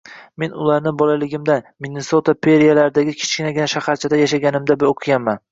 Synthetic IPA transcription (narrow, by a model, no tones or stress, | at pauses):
me̞nʊ̰laɾnɪbɒlalɪɡʲɪmd̪anmine̞sot̪ʰapʰe̞ɾijalaɾɪd̪aɡʲɪkʲʰɪ̥t͡ʃkʲɪnaɡʲɪnaʃahaɾt͡ʃʰad̪ajaʃaɡʲanɪmd̪aboqʰɨɡʲanːan